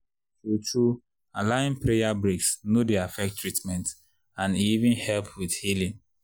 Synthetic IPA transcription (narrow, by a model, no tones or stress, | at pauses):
sot͡ʃu | alaĩnpɾejabɾeksnodeafɛk̚tːɹitmɛ̃nt | ãniivĩnhɛlpʰwidhilĩn